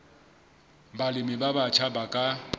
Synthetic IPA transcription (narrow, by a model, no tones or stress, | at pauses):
balɪmɪbabat͡ʃʰabakʼa